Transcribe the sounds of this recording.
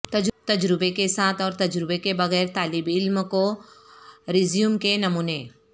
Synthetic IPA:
t̪ɐt̪ɐd͡ʒɾɪbekesaːt̪ʰɔːɾt̪ɐd͡ʒɾɪbekebɐɣɛːɾt̪aːlɪbɪlmko | ɾɪzijumkenɐmuːne

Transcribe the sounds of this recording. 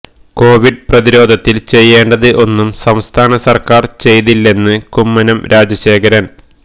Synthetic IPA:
ko̞ːʋiɖɨprɐðiɾo̞ːd̪ʱɐt̪ːilt͡ɕe̞jːeːɳɖɐðɨʔo̞nːumsɐmst̪ʰaːnɐsɐrkaːrt͡ɕe̞jt̪ilːe̞nːɨkumːɐnɐmɾʔaːd͡ʑɐɕe̞ːkɐɾɐn

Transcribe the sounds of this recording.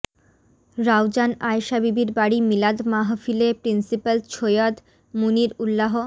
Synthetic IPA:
ɾawd͡ʑanajʃabibiɾbaɽimilad̪maɦofilepɾinsipalt͡ɕʰojad̪ | muniɾulːaɦo

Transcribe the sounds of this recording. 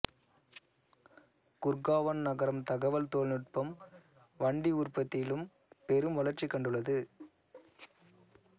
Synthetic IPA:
kʊɾɡaːʋɐnnɐɣɐɾɐmt̪ɐɣɐʋɐlt̪oːlnɪʈ̚pɐm | ʋɐɳɖiʊrpɐt̪ːɪlɯm | pɛɾɯmʋɐlɐɾt͡ʃːikːɐɳɖɯɭːɐðɯ

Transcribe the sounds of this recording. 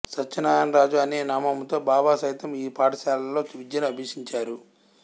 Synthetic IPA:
sɐt͡ʃt͡ʃːɐnaːjaːnɾaːd͡ʒuɐneːnaːmɐmut̪o̞ːbaːbaːsɐjt̪ɐmiːpaːʈɐsaːlɐlːo̞ːt͡ʃuʋid͡ʒɐnɐɐbʱiːʂiɲt͡ʃaːɾu

